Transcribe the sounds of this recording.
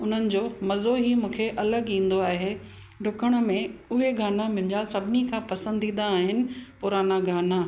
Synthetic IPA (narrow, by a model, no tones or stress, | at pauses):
ʊn̤ənɪ̆d͡ʑoːmɐzoɦimũːkʰeʔɐləɠĩːn̆d̪oaːɦe | ɖʱʊkəɽ̃ə̆mẽʊɦeɡʱaːnamɪ̃̆d͡ʑasɐbʱɪnikʰãːpɐsə̃nd̪ʱĩːn̆d̪aːɦɪnɪ̆pʊɾaːnaɡʱaːna